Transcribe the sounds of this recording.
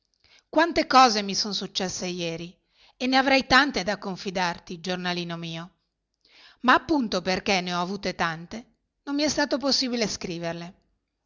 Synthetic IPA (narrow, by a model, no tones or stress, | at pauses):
kwant̪ekɔːzemisonsut͡ʃːɛsːejɛːɾi | enːeavɾɛjt̪ant̪ed̪akːoɱfid̪art̪id͡ʒornaliːnomiːo | maːpːunt̪operkenːeɔavuːt̪et̪ant̪e | nomːiɛst̪aːt̪op̬osːiːbileskɾiːverle